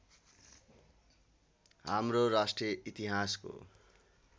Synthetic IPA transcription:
ɦa̰mroɾasʈriʌit̪iɦasko̰

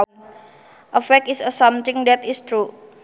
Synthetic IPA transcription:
n | ʔəfɛkisəsamt̪ɪ̃ŋd̪ɛt̪ist̪ɾu

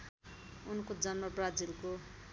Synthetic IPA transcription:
unkod͡zʌnmʌbrad͡zilko

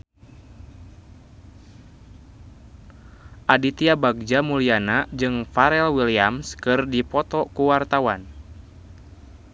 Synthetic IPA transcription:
ʔadit̪iabaɡ̚d͡ʒamulianad͡ʒɨŋfaɾɛlwiliamskɨrdipɔt̪ɔkuwart̪awan

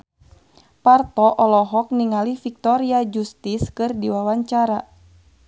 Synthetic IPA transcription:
part̪ɔʔɔlɔɦɔk̚niŋalifik̚t̪ɔɾiad͡ʒust̪iskɨrdiwawaɲt͡ʃaɾa

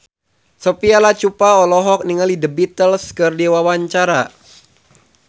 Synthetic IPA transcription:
sopialat͡ʃupaɔlɔɦɔk̚niŋalidəbit̪əlskərdiwawaɲt͡ʃaɾa

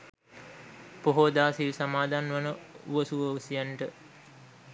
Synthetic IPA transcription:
poɦod̪aːsilsamaːd̪ʱanʋanəṵʋəsuʋəusijaɳʈə

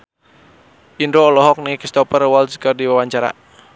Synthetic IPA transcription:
ʔindoːlɔɦɔk̚nikist̪ɔpərwɔlskərdiwawaɲt͡ʃaɾa̰

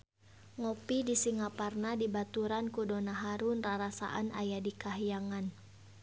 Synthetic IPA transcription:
ŋɔpidisiŋaparnadibat̪uɾankudɔnaɦaɾunraɾasa̰ʔanajadikaɦijaŋan

